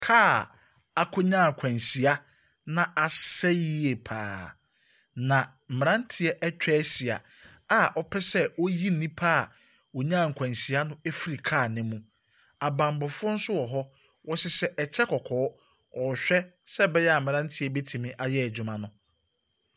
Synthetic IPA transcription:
kʰaː˦˨ | a˨kʰʊ˦ɲã˦˨ŋ˨kʷʰã˨nsi˨a˦ | nã˦a˨sɛ˦ji˦e˨pʰaː˨ | nã˨ | m̩˨mɪ̃˨ɾã˦n̩˦tʰi˦ɛ˦ʔɛ˦t͡ɕᶣɛ˦si˨a̰˨ | a˦˨ʔɔ˦pʰɛ˦sɛ˦wo˦ji˦n˦nĩ˦pʰaː˦˨ | wɔ˨ɲã˦˨ŋ̩˨kʷʰã˨nsi˨a˦nʊ̃˦e˦fi˦ɾi˨kʰaː˦˨nɪ̃˦mũ˦ | a˨bã˨mbɔ˨fʊ˦ɔ˦n̩˦sʊ˦wɔ˨ɦɔ˦ | wɔ˦sɪ˦sɛ˦ʔɛ˨t͡ɕʰɛ˦kʰɔ˨kʰɔː˨˦ | ɔ˨ɕᶣɛ˦sɛ˦bɛ˦jɛ˦a˨mɪ̃˨ɾã˦n˦tʰi˦ɛ˦be˦tʰĩ˨mĩ˦ʔa˨jɛ˦ɛ˨d͡ʑᶣu˨mã˦nʊ̃˦

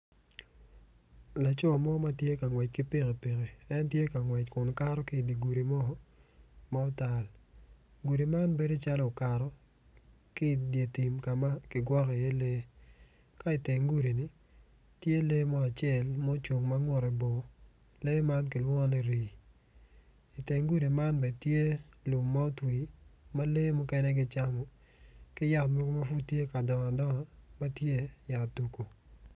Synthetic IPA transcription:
la˨t͡ʃɔ˦˨mɔ˦ma˦tje˦ka˨ŋwɛ˨t͡ʃ̚kɪ˦pe˦ŋe˨pe˨ɣe˨ɛ˦ntje˦ka˨ŋwɛ˨t͡ʃ̚kʊ˨nka˦ɾɔ˦kɪ˦˨di˨ɡu˨ɾi˨mɔ˦ma˦ɔ˦ta˨l | ɡu˨ɾi˨ma˦nbe˦do˦t͡ʃa˦lɔ˨o˨ka˨ɾɔ˦ | kɪ˦˨dje˨ti˨mka˨ma˦kɪ˨ɡwɔ˦kɛ˨je˦le˦ | ka˦ɪ˨te˨ŋɡu˦ɾi˨nɪ˨ | tje˦le˦mɔ˦a˨t͡ʃɪɛ˦˨lmo˦t͡ʃo˨ŋma˦ŋwɔ˨ɾe˨bo˨ | le˦ma˦nkɪ˨lwɔ˦ne˨ɾi˨ | ɪ˨te˨ŋɡu˦ɾi˨ma˦nbɛ˨tje˦lʊ˨mːa˦o˦twi˨ma˦le˦mɔ˦kɛ˦nɛ˦ɡɪ˦t͡ʃa˦mɔ˨ | kɪ˦ja˦tmɔ˦ɡma˦fu˦tːje˦ka˨dɔ˨ŋa˨dɔ˦ŋɔ˨ma˦tje˦ja˨tu˨ko˨

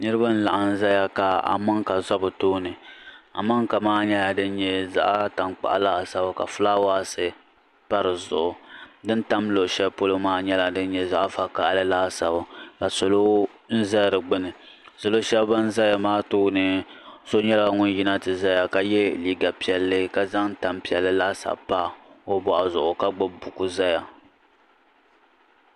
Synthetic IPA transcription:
nɨ˦ɾɨ˦ba˦n̩˦la̰˨ʔa˨n̩˦za˦ja˦ka˨a̰˨ma˦ŋka˨zɔ˦bɨ˨toː˦nɨ˨a̰˨ma˦ŋka˨maː˦ɲɛ˦la˨dɨ˦n˦ɲɛ˦za̰˦ʔa˦ta˨ŋk͡pa̰˨ʔa̰˦la˦˨sa˦ba˨ka̰˨fɨ˦la˦waː˦˨sɨ˦ | pa˦ɾɨ˨zʊ̰˨ʔʊ˨dɨ˦n˦ta˦mlo˨ʔʃɛ˦bpo˦lo˦maː˦ɲɛ˦la˨dɨ˦n˦ɲɛ˦za˦ʔa˦fa˦ka˦˨ʔa˦lɨ˦laː˦˨sa˦ba˦ka˨so˨lo˦ | n̩˦za˦lɾɨ˨ɡ͡bɨ˦nɨ˨ | so˨lo˦ʃɛ˦bba˦n̩˦za˦ja˨maː˦toː˦nɨ˨so˦ɲɛ˦la˦ŋʊ˦n˦ji˦na˦tɨ˨za˦ja˨ka˨jɛ˦liː˦ɡa˨pi˨ɛ˨lːɨ˦ka˨za˦ŋn̩˦ta˨mpi˨ɛ˨lːɨ˦la˦sa̰˨pa˦o˦bɔ˨ʔa˨zʊ˨ʔʊ˨ka˦ɡ͡bɨ˦bu˨ku˨za˦ja˨

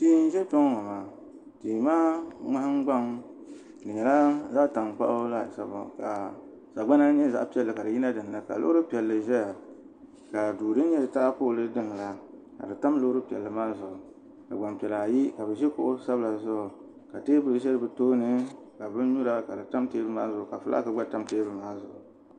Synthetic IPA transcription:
tiː˦n̩˦ʒɛ˦pɔ˦ŋ˦ŋa˨maː˨ | tiː˨maː˦ŋa˦ha˦ŋ˦ɡ͡ba˦m | dɨ˨ɲɛ˨la˦zaː˦ta˨mk͡pa̰˦ʔla˦sa˨b̰ka˨ | sa˨ɡ͡ba˦na˦ɲɛ˦za̰˨ʔpi˦ɛ˨lːɨ˨ka˨dɨ˨ji˦na˦dɨ˨n˨nɨ˦ka̰˨lo̰˦ɾɨ˦pi˨ɛ˨lːɨ˨ʒɛ˦ja˨ | ka˨duː˨dɨ˦n˦ɲɛ˦dɨ˨ta˦a˦poː˦˨lɨ˦dɨ˦ŋ˨la˨ | ka̰˨dɨ˨ta˦mlo˦ɾɨ˦pi˨ɛ˨lːɨ˨maː˦zʊ˨ʔʊ˨ | ka˨ɡ͡ba˨mpi˨ɛ˨la˨ji˦ka˨bɛ˨ʒɛ˦kʊ̰˦ʔʊ˦sa˦bla˨zʊ˦ʔʊ˨ | ka˨teː˦bɨ˦lɨ˨˦ʒɛ˦ɾɨ˨bɨ˨toː˦nɨ˦ | ka˨bɨ˦n˦ɲu˦ɾa˦ka˨dɨ˨ta˦mteː˦bɨ˦maː˦zʊ˨ʔʊ˨ka˨fɨ˦lʔa̰˦kɨ˦ɡ͡ba˦ta˦mteː˦bɨ˦maː˦zʊ˨ʔʊ˨

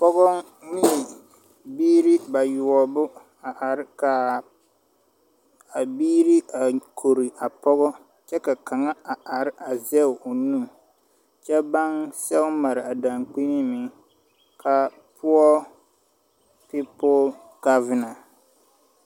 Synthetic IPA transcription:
pɔ˦ɡɔ˦ | mɪ˦˨ | biː˦ɾi˦ba˨jʊ˨ɔ˨bʊ˦ | a˨ʔa˨ɾɪ˦ka˨ | a˨biː˦ɾi˦a˨kʰo˨ɾi˨ʔa˨pɔ˦ɣɔ˦ | t͡ʃɛ˦ka˨ka˨ŋa˦a˨a˨ɾɪ˦ʔa˨zɛ˦ʊ˨ʊ˨nũ˦˨ | t͡ʃɛ˦ba˦ŋsɛ˦ʊ˦ma˨ɾɪ˨a˨da˨ŋk͡pi˦nɪ˦mɪ˨˦ | kʰa˨ | pʰʊ˦ɔ˦ | pi˦pɔ˦l | ka˦vɪ˦na˨

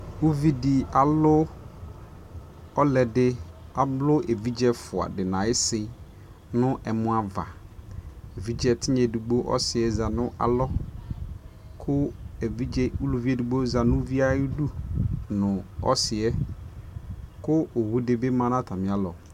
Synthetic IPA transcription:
u˦vi˦dɪ˨a˨lʊ˦ | ɔ˦lɛ˨dɪ˦a˨blʊ˦ʔe˨vi˦d͡ʒɛ˦fʊ˨a̰˨dɪ˨nã˨ɪ˦sɪ˨ | nʊ̃˦ʔɛ˨mʊ̃˦a˨va̰˨ | e˨vi˦d͡ʒɛ˦˨tʰɪ˦ɲɛ˨du˨ɡ͡bo˦ʔɔ̰˦sɪ˨ɛ˦za˨nʊ̃˦ʔa̰˨lɔ˦ | kʰʊ˦˨i˦u˦lu˨vi˦ɛ˦du˨ɡ͡bo˦za˨nʊ̃˦vi˦a˦du˦nʊ̃˨ɔ̰˦sɪ˨ɛ˦ | kʊ˦ʔo˨wu˦dɪ˦bɪ˦mã˨nã˦tʰa˨mɪ̃˨˦a˦lɔ˨

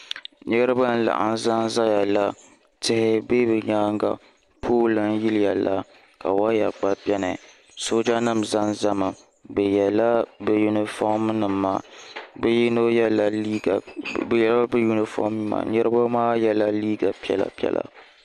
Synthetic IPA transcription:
ɲɛ˦ɾɨ˦ba˦n̩˦la̰˨ʔa̰˨n˦za˦n˦za˦ja˨la˦ | tɪ˦hɪ˦be˦bɨ˨ɲaː˦ŋɡa̰˨ | pʰoː˦lɨ˨n˦ji˦lɪ˦ja˨la˦ | ka˨wa˦ja˨k͡pa˦bʲɛ˦nɨ˨ | so˦d͡ʒa˦nɨ˦˨mza˦nza˦mɨ˨ | bɛ˨jɛ˨la˦bɛ˨ju˨nɪ˨fɔ˦m˦nɨ˨mːaː˦bji˦no˦jɛ˦la˦i˦˨ | jɛ˨la˦bɨ˦ju˦ni˨fɔ̰˦m˦ma̰˨ɲɛ˦ɾɨ˦ba˦maː˦jɛ˦la˦liː˦ɡa˨pi˦ɛ̰˨la̰˨pi˦ɛ̰˦lʔa̰˨

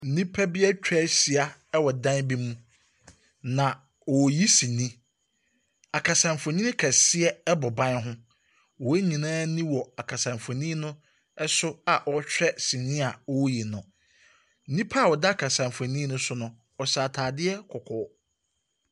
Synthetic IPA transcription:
n̩˨nĩ˦pʰa˦bɪ˦ɛ˦t͡ɕᶣɾɛ˦si˨a˨ɛ˦wɔ˨dã˦nbi˦mũ˦ | nã˨ | wɔ˨ji˦sĩ˨nĩ˦ | a˨kʰa˨sã˨mfɔ̃˨nĩ˦kʰa˨sɪ˦ɛ˦ɛ˦bɔ˨bã˦nɦʊ̃˦ | wɔ˨e˦ɲĩ˨nãː˦nĩ˦wɔ˨a˨kʰa˨sã˨mfɔ˨nĩː˦nʊ̃˦ | ɛ˦sʊ˦a˨ʔɔ˦t͡ɕᶣɾɛ˦sĩ˨nĩ˦a˨ɔ˦ji˨nʊ̃˨ | n̩˦nĩ˦pʰa˦˨wɔ˨da˦a˨kʰa˨sã˨mfõ˨nĩ˦nʊ̃˦sʊ˦nʊ̃˦ | ɔ˨saː˨tʰaː˨dɪ˦ɛ˦kʰɔ˨kʰɔ˨˦

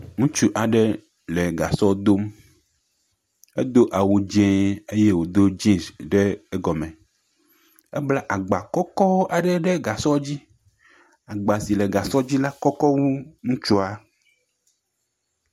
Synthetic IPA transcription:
ŋũ˦t͡ʃu˦ʔa˨ɖɛ˦ | le˨ɡa˨sɔ˦d̪o˦m | e˦d̪o˦ʔa˨wu˨d͡ʒɛ̃˦e˦je˦wo˨d̪o˦d͡ʒĩ˦sɖeː˦ɡɔ˨mɛ̃˨ | e˦bla˦ʔa˨ɡ͡ba˨kɔ˦kɔ˦ʔa˨ɖɛ˦ɖɛ˦ɡa˨sɔ˦d͡ʑi˦ | a˨ɡ͡ba˨si˨lɛ˨ɡa˨sɔ˦d͡ʑi˦la˦kɔ˦kɔ˦wu˦ŋũ˦t͡ʃu˦a˨

